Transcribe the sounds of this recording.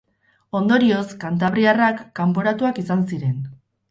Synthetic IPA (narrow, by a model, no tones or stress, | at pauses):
o̞nd̪o̞ɾio̞skant̪̬aβ̞ɾiarakːampo̞ɾat̪uakisansiɾe̞n